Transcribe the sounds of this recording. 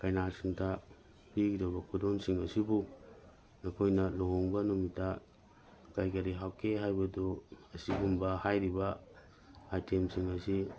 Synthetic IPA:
kajnasuntʰa | piɡidowbɐkʰudonsiŋɐsibu | nɐkʰojnɐloɦoŋbɐnumitʰa | kajkɐɾiɦawkʰeɦajbɐduɐsiɡumbɐhajɾibɐ | ajtʰemsiŋɐsi

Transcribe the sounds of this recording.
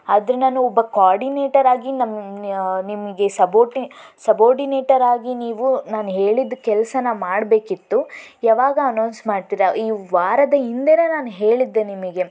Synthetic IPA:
aːd̪ɾenaːnuɔbːɐkaːɾɖineːʈɐɾaːɡinɐm | nimɐɡe̞sɐboːʈisɐboːɾɖineːʈɐɾaːɡiniːʋunaːnuɦe̞ːɭid̪ːukɛlɐsɐnɐmaːɽbe̞ːkit̪ːujaːʋaːɡɐɐnɐwnsmaːɖt̪iɾɐiːʋaːɾɐd̪ɐind̪ɛɾɐnaːnuɦe̞ːɭid̪ːenimɐɡe̞

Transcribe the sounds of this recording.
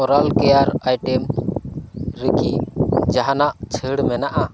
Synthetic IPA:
ɔɾalkɛjaɾajʈɛm | ɾəkid͡ʒaɦanaʔt͡ʃʰəɽmɛnaʔa

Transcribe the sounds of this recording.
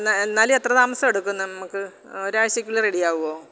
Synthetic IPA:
enːaːlet̪rɐt̪aːmɐsɐmeɽukːunːɐnɐmukːɨ | o̞ɾaːʋɐɕɐkʲːuɭlɐreɽijaːʋuɣoː

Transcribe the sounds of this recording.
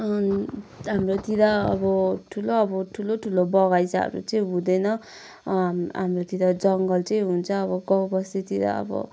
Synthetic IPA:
ɦamrot̪id̪aʌ̰bʌʈʰuloːbʌʈʰuloʈʰulobʌɣajt͡sa̰ɾṵt͡sʌĩɦud̪enʌ | ɦamɾot̪id̪ad͡zʌŋɡʌlt͡sʌĩɦunt͡sʰʌːβʌɡʌwbʌset̪id̪a̰ʌ̰bʌ̰

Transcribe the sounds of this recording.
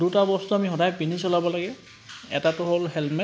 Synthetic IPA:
dutabɔstuamixɔdajpinisɔlabɔlaɡɛ | ɛ̰tatʊɦolɦɛlmɛ

